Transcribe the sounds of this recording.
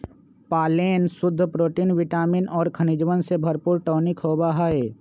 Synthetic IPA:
paːleːnsʊd̪ʱːəpɾoːʈiːnʋɪʈaːminʔɔːɾkʰənɪd͡ʒwənsebʱəɾpuːɾʈoːnikɦoːbaɦae

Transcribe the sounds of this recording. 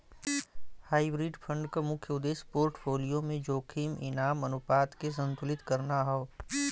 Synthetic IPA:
haːibɾiɖpʰə̃ɳɖkamʊkʰjəʊd̪eːspoːɾʈfʰoːlijõmẽd͡ʒoːkʰiːmɪnaːmɐnʊpaːt̪kes̬ɐ̃nt̪ʊlɪt̪kɐɾnaɦaoː

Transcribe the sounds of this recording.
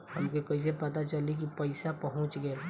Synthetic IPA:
hɐmkokɐɪs̬epɐt̪at͡ʃɐlik̬ipɐɪsapɐɦʊ̃t͡ʃɡeː

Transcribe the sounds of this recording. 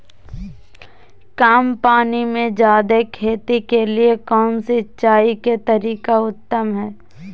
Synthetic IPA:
kaːmpaːnimẽd͡ʒaːd̪ekʰeːt̪ikeliekɔːnsiʃaːiket̪ɐɾiːkaʊt̪ːəmɦɛː

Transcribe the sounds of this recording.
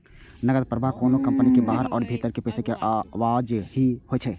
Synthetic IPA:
nəɡəd̪̚pəɾəbʱakoːnokɐ̃mpənikebaːɦəɾɔ̰ːɾbʱeːt̪əɾkepɛːsʰekeʔaʋaːd͡ʒɦihoet͡ʃʰɛː

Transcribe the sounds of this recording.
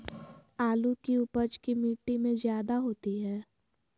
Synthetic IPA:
aːlukiʊpəd͡ʒkimiːʈːimẽzjaːd̪aɦoːt̪iɦɛː

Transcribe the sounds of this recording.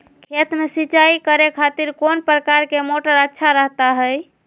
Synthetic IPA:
kʰet̪mesit͡ʃaikəɾekʰat̪iɾkonpɾəkaɾkemoʈəɾətːʃʰaɾəɦt̪aɦəj

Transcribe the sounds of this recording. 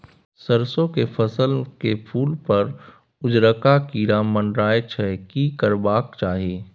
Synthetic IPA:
sɐɾsõkepʰɐsəlkepʰuːlpɐɾ | ʊd͡ʒɾəkakiɾaːmənɖɾaːet͡ʃʰɛkikəɾbaːkt͡ʃaːɦieː

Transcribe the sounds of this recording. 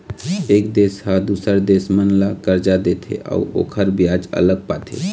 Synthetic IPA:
eːkd̪eːshad̪usəɾd̪eːsmənlakəɾd͡ʒad̪eːt̪ʰḛʔa̰uo̰ːkʰəɾbijaːd͡ʒə̰ləɡ̚paːt̪ʰḛ

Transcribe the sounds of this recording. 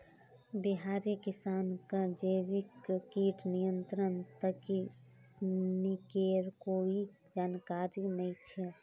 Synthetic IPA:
biɦaɾekisankəd͡ʒəbikkiʈʰnijənt̪ɾənt̪əki | nikeɾkoi | d͡ʒaːnkaɾinəjt͡ʃʰɛ

